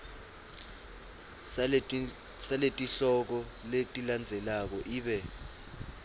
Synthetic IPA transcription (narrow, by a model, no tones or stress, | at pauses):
saletʼiɬɔk̬ɔletʼiland͡zʱɛlak̬ɔʔiːɓɛ